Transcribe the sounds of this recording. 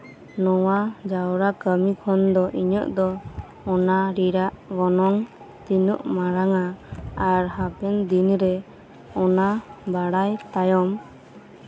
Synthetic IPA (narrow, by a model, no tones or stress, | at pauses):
nɔwad͡ʒawɾakəmikʰɔnd̪ɔʔiɲəʔd̪ɔː | naɾiɾaʔɡɔnɔŋ | t̪inəʔmaɾaŋaaɾɦapɛnd̪inɾɛ | ɔnabaɽajt̪ajɔm